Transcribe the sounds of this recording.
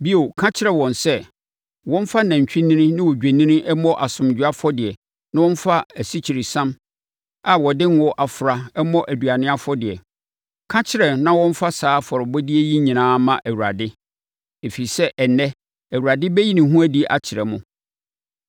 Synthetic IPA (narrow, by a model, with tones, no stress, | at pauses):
bi˦o˨kʰã˦t͡ɕʰɪ˦ɾɛ˨wɔ̃˨nsɛ˦ | wɔ̃˦n˦fa˦nã˨ɲ˨t͡ɕᶣi˦nĩ˦nɪ̃˦nɪ̃˦wɔ˨d͡ʑᶣæ˨nĩ˦nɪ̃˦ʔɛ˦mɔ̃˦ʔa˨sʊ̃˨m˨d͡ʑᶣu˨a˦fɔ˦dɪ˨ɛ˨ | nã˦wɔ̃˦n˦fa˦æ˨si˦t͡ɕʰi˨ɾi˨sã˦m | a˨wɔ˨dɪ̃˦n˦wɔ˦ʔa˨fʊ˨ɾa˨ɛ˦mɔ̃˦ʔæ˨dɥa˨nɪ̃˦a˦fɔ˦dɪ˨ɛ̰˨ | kʰã˦t͡ɕʰɪ˦ɾɛ˨nã˦wɔ̃˦ɱ̩˦fa˦saː˨˦fɔ˨ɾɪ˨bɔ˦di˦ɛ˦ji˦ɲĩ˨nãː˦mã˨ʔæ˨wu˨ɾa̰˨dɪ˦ | e˨fi˨sɛ˦ʔɛ˨nɛ˦ | æ˨wu˨ɾa˨dɪ˦bɛ˦ji˦nɪ̃˨ɦũ˦æ˦di˨ʔa̰˨t͡ɕʰɪ˨ɾɛ˨mʊ̃˦